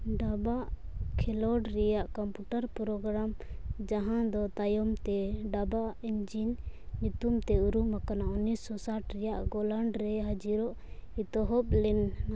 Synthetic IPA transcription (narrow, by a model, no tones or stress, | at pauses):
ɖabaʔ | kʰɛlɔɖɾɛjaʔkɔmpuʈaɾpɾɔɡɾamd͡ʒaɦãd̪ɔt̪ajɔmt̪ɛɖabaind͡ʒinɲut̪umt̪ɛuɾumakanaʔunːisɔsaʈɾɛjaʔɡɔlaɳɖɾɛɦad͡ʒiɾɔʔ | it̪ɔɦɔp̚lɛnːa